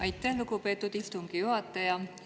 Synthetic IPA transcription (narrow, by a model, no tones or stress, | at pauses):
ɑjt̪ːˑæhluɡupe̞ːt̪ːˑud̪̥ist̪uŋɡ̥ijuɦɑt̪ːˑɑjɑ